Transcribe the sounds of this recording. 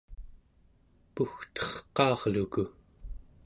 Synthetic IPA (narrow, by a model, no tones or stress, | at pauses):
puxt̪ʌ̥χqɑːʁluku